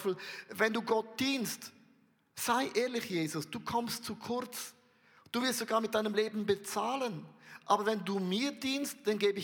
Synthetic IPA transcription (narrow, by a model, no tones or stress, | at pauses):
fl̩vɛnduːɡɔt̚d̥iːnst | z̥aɪʔeːɐlɪçjeːzʊsd̥uːkʰɔmstt͡sukʰʊɐt͡s | d̥uːvɪɐstz̥oɡaːɐmɪt̚d̥aɪnəmleːbn̩bət͡saːlənʔaːbɐvɛnduːmiːɐdiːnstd̥anɡeːbəɪ